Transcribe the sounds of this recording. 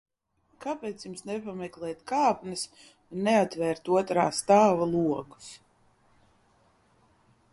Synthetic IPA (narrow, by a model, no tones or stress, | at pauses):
kapɛːt̪sjumsnɛpamɛklˠɛːt̪kaːpnɨs | nːɛat̪vɛːɾt̪uɔt̪ɾaːst̪aːvalˠuɔku̥s